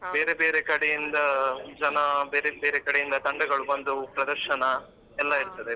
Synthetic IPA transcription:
beːɾebeːɾekɐɽejind̪ɐd͡ʒɐnɐbeːɾebeːɾekɐɽejind̪ɐt̪ɐɳɖɐɡɐɭubɐnd̪upɾɐd̪ɐɾʃɐnɐ | ɛlːɐiɾt̪ɐd̪e

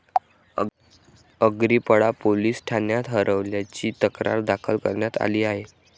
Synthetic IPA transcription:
əɡɾiːpəɽapoliːsʈʰanjat̪ɦəɾʔəʋljat͡ɕiːt̪əkɾa̰ɾd̪akʰəlkə̰ɾɳjat̪a̰liːaɦe

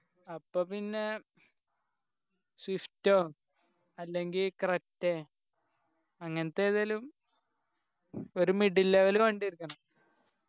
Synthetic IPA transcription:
ɐpːoːpinːe̞ | swiftːoː | ɐlːe̞ŋɡilkretːe | ɐŋːɐnet̪ːeːðɐlum | oɾumiɖilːɐʋɐlukeɳɖiiɾikːuɳɐ

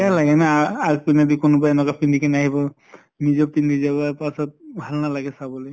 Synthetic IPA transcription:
ɛalaɡɛnaːɡpinad̪ikonɔbaɛnɔkapindʱikʰaniaɦibɔ | nizɔpind̪izabapasɔt̚bʱalnalaɡɛsabɔloj

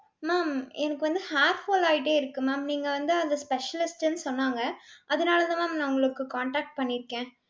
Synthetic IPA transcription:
maːmɛnɐkːɯʋɐnd̪ɯhaːɾhoːlaːɪʈ̬ːeːɪɾɯkːɯmaːmniːŋɡɐʋɐnd̪ɯɐnd̪ɐspɛʂɐlɪsʈɛnːɯsɔnːaːŋɡɐɐðɯnaːlɐðãmaːmnaʊŋɡɐɭɯkːɯkaːɳʈaːk̚ʈ̚pɐɳːɪɾɯkːẽː

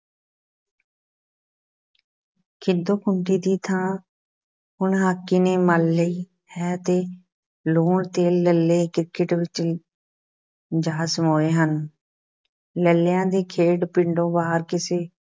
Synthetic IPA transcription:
kʰɪd̪õːkʰʊɳɖiːd̪iːt̪ʰãː | ɦʊɳɦaːkːiːneːməlːəiː | hɛːt̪eː | loːɳt̪eːəlːeːkɾɪkəʈʋɪt͡ʃ | d͡ʒaːsmoːeːɦən | ləljãːd̪eːkʰeːɖpɪɳɖõːbaːɾkɪseː

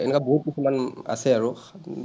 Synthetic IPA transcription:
ɛ̰nɛkwaboɦut̚kisumana̰sɛaɹu

